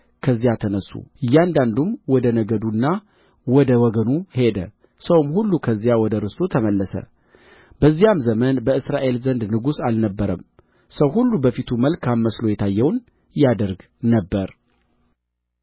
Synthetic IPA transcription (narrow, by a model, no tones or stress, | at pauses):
kʰəzːijat̪ʰənəsːṵʔɨjːand̪and̪umwɔd̪ənəɡəd̪unːa | wɔd̪əwɔɡənuhe̞d̪ə | səwmhulːukʰəzːijawɔd̪əɾɨsot̪ʰəməlːəsə̰ | b̥əzːijamzəmənbəɨsɾaʔe̞lzənd̪nɨɡusalnəbːəɾəm | səwhulːubəfit̪ʰuməlkʰamːəslo̞jɛt̪ʰajːɛwn | jad̪əɾɡ | nəbːəɾ